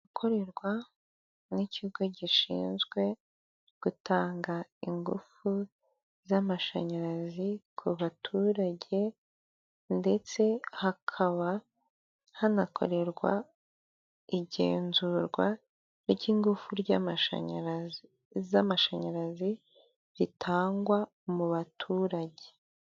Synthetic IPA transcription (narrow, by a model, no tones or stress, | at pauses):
akʰo̞ɾe̞ɾɡwa | niciɡo̞ɟiʃḭːnzɡwe̞ | ɡ̥utaːŋɡaiŋɡufu | zamaʃa̰ɲaɾazikʰuβatʰuɾaɟe̞ | nde̞t͡se̞hakʰaβa | hanakʰo̞̰ɾe̞ɾɡwa̰ | iɟe̞̰ːnzuɾɡwa | ɾɟiːŋɡufuɾɟaaa̰ | zamaʃaɲaɾazi | ɾitʰaːŋɡwa | muβatʰuːɾaɟe̞̥